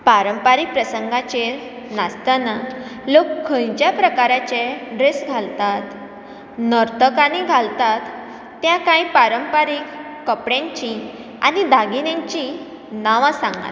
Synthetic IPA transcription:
paɾəmpaɾik̚pɾəsəŋɡat͡ɕe | nast̪analokʰːə̃jt͡ɕjapɾəkaɾat͡ɕeɖɾesɡʱalt̪at̪ | nəɾt̪əkaniɡʱalt̪at̪ː | jakãipaɾəmpaɾikː | əpɽãɲt͡ɕĩ | a̰nid̪aɡinãɲt͡ɕĩ | naʋãsãŋɡa̰

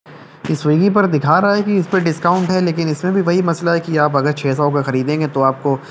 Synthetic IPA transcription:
ɪsʋiːɡip̬ɐɾd̪ɪkʰaːɾaɦaɦɛkiɪspeɖɪskaːʊ̃ɳʈɦɛleːkɪnɪsmẽbʱiʋɐɦimɐslaɦɛkiaːp̬ɐɡəɾt͡ʃʰeːsaokaxɐɾiːd̪ẽːŋɡet̪oaːp̚ko

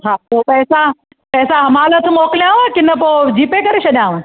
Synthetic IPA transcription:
ɦaːpoːpɛːsa | pɛːsaɦɐmaːlət̪ʰmoːkljãʋõkɪnəpoːd͡ʑiːpekɐɾeʃʰɐɗjãːʋõ

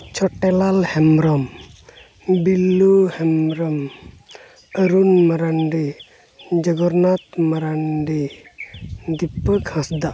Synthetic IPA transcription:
t͡ʃɔʈɛlalhɛmɾɔm | bilːuhɛmɾɔm | əɾunmaɾaɳɖi | d͡ʒəɡɔɾnat̪maɾanɖi | d̪ipːəɡʱãsd̪aʔ

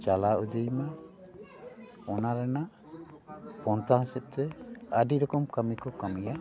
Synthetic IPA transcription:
t͡ʃalaʔud̪ijma | ɔnaɾɛna | pɔnt̪aɦsɛt̪̚ˀt̪ɛəɖiɾɔkɔmkamikɔkamija

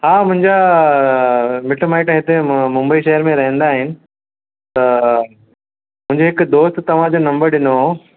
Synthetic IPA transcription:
haːmʊ̃ɦɪ̃ɲd͡ʑa | mɪʈmaːɪʈɦɪt̪emʊ̃mbəiʃɐɦəɾmẽɾɐɦə̃nd̪aːɦɪnɪ̆ | t̪ɐ | mʊ̃ɦɪ̃ɲd͡ʑoɦɪkd̪oːst̪t̪ːɐʋ̤ãd͡ʑonɐ̃mbəɾɗɪno

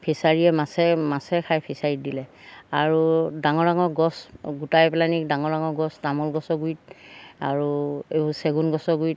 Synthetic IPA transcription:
pʰesaɹiɛmasɛmasɛkʰajpʰesaɹit̚dilɛaɹudaŋɔɾaŋɔɡɔsɡutajplanik̚daŋɔɹaŋɔɹɡɔstamɔlɡɔsɔɡujtaɹueseɡunɡɔsɔɡujt̚

